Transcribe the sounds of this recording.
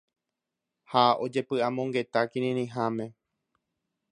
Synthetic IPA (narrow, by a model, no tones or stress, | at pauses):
hao̞d͡ʒe̞pɨamõŋɡe̞t̪akĩɾĩɾĩɦamẽ̞